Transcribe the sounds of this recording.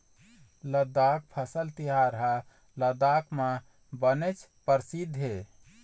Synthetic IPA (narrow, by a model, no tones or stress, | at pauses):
ləd̪ak̚pʰəsəlt̪iɦaɾɦa | ləd̪akmã | bənet͡ʃʰpəɾsid̪ʱɦe